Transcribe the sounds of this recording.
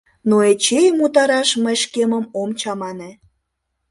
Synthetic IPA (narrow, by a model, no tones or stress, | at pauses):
noet͡ɕejmut̪ɑɾɑʃməjʃkeməmomt͡ɕɑmɑne